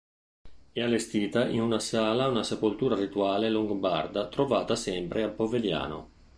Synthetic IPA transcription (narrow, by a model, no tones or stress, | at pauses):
ɛalːest̪iːt̪aʔinunasaːlaunasepolt̪uːɾarit̪uaːleluŋɡba̰rd̪at̪ɾovaːt̪asɛmpɾʔeapːovelja̰ːno̰